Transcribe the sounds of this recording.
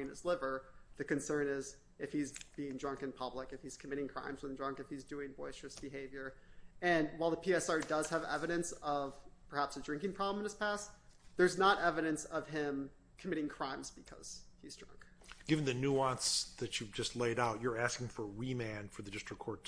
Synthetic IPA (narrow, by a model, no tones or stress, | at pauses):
ɪ̃nɨzlɪvə˞ðɨkɨ̃nsɜ̃˞nɪz | ɨfhizb̥iɪ̃ŋdɹʌ̃ŋkɨ̃npʰʌblɪkɨfhiz̥kʰəmɪɾɪ̃ŋkʰɹ̥ã̰ɪ̃mzwə̃ndɹʌ̃ŋkɨfhizdʉɪ̃ŋvɔɪstɹ̥ɨsb̥ɨɦeɪvjə˞ɨ̃nwaɪlˠðəpʰiɛsɑɹdʌz̥ɨvɛ̰vɨɾɨ̃nsʌv̥pʰə˞hæpsɨdɹɪ̃ŋkɪ̃ŋpʰɹ̥ɑblˠə̃mə̃n̩ɨz̥pʰæsðə˞znəɾɛvɨɾɨ̃nsʌv̥ɪ̃m | kʰəmɪɾɪ̃ŋkʰɹ̥ãɪ̃mzbɨkʰʌ̰z̥izdɹʌ̰̃ŋkɡ̥ɪvɨ̃n̩ðɨnuɑ̃nsðɨt͡ʃɨd͡ʒʌstˡleɪɾaʊt͡ʃə˞æskɪ̃ŋfə˞ɹimæ̃nfə˞ðɨdɪstɹ̥ɨkʰɔɹtʰ